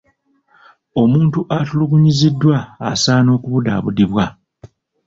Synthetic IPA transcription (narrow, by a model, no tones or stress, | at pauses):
o̞muːntuʔatuluɡuɲizidːwa̰ːsaːno̞ːkuβuda̰ːβudiβwa